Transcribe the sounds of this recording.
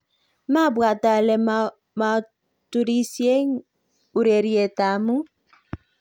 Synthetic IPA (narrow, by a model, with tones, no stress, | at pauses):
ma˦˨bwa˨ta˨le˨ | ma˨˦ | tu˨ɾi˦si˦e˦ŋ˦ | u˨ɾe˨ɾi˦e˨ta˨˦mu˦